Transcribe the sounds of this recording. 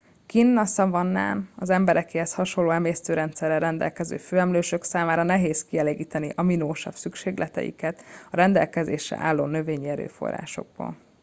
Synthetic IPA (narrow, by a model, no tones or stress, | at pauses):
kinːɒsɒvɒnːa̰ːnɒzɛmbɛɾɛkeːhɛshɒʃo̞lːoːɛmeːst̪øːɾɛnt̪sɛrːɛɾɛnd̪ɛ̰lkɛzø̰ːføːɛmløːʃø̞ksaːmaːɾɒnɛɦeːskiɛleːɡiːt̪ɛniʔɒminoːʃɒfsykʃeːɡlʔɛt̪ɛ̰jḭkɛt̪ɒɾɛnd̪ɛ̰lkɛzḛːʃɛ̰ʔaːlːoːnø̞veːɲiɛɾø̰ːfo̞̰rːa̰ːʃo̞̰ɡ̚bo̰ːl